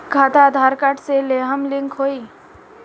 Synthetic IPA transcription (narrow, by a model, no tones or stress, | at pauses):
kʰaːt̪ad̪ʱaːɾkəʈseleːɦəmlɪ̃ŋkɦoːiː